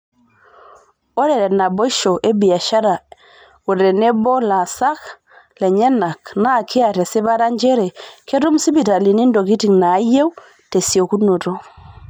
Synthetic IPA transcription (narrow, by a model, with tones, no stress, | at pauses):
o˦ɾe˨ɾɛ˨na˨bo˦i˦ʃo˨ʔe˦bi˨ja˨ʃa˦ɾa˨ | u˨ɾe˨ne˦bo˦la˨sa˦k | le˨ɲe˦na˨kna˦˨kʰi˦a˨tɛ˨si˦ba˦ɾa˦ɲd͡ʒe˦ɾɛ˨ke˦tu˦msi˦bi˨ta˨li˨ni˦ndo˨ki˦ti˨knaː˨˦je˦w | te˨si˨o˨ku˦no˨to˦